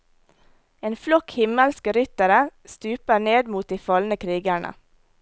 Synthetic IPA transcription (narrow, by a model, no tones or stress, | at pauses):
eːnflɔkhɪməlskɾʏt̪əɾəst̪ʉːpəneːd̪muːt̪̚d̪iːfɑlnəkʰɾiːɡæɳʔə̰